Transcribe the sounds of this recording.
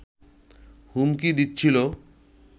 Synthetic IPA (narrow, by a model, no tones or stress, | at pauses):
humkid̪itːt͡ɕʰilo